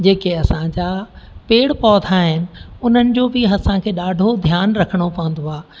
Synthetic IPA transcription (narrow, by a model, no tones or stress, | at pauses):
d͡ʑeːkeɐsãd͡ʑapeːɽpɔːt̪ʰaɦɪnɪ̆ʊn̤ənɪ̆d͡ʑoːbɪɦɐsãkʰeːɗaːɖʱod̪ʱjaːnɾɐkʰəɽ̃opɐʋə̃n̆d̪oaː